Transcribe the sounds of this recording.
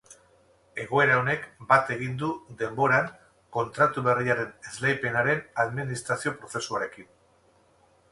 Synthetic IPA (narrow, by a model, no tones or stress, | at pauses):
e̞ɣ̞o̞e̞ɾao̞ne̞kbat̪e̞ɣind̪uðe̞mbo̞ɾaŋ | ko̞nt̪ɾat̪uβe̞riaɾe̞ne̞zlajpe̞naɾe̞naðminist̪ɾasio̞pɾo̞θe̞suaɾe̞kin